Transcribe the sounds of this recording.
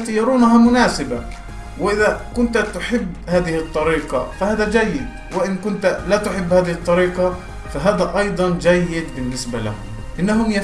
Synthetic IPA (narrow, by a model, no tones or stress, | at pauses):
t̪ijɑɾˤuːnaɦamʊnaːsɪba | wɪʔɪðakʊnt̪t̪ʊħɪbːhaːðɪhɨt̪ˤːɑɾiːqɑfahaːðad͡ʒajːɪd̪ | wɪʔɪnkʊnt̪lat̪ʊħɪbːhaːðɪhɪt̪ˤːɑɾiːqɑ | faɦaːd̪aʔɑjd̪ˤɑnd͡ʒajːɪd̪bɪnːɪsbala̰hʊ̰m | ʔɪnːaɦʊmja